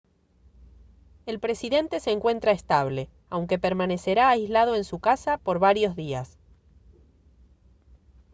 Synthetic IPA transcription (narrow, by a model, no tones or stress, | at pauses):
e̞lpɾe̞siðe̞nt̪e̞seːŋkwe̞nt̪ɾaest̪aβ̞le̞ | awŋke̞peɾmane̞se̞ɾaːjzlað̞o̞e̞nsukasapoɾβaɾjo̞zðias